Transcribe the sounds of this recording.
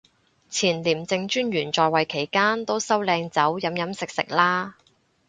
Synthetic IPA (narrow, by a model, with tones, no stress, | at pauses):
t͡sʰiː˨˩nliː˨˩mt͡sɪ˧ŋt͡ʃyː˥njyː˨˩nt͡sɔː˨˧jwɐ˨jkʰe˨˩jkaː˥nt̪o˥wsɐ˥wlɛː˧ŋt͡sɐ˨˥wjɐ˨˥mjɐ˨˥msɪ˨k̚sɪ̰˨k̚laː˥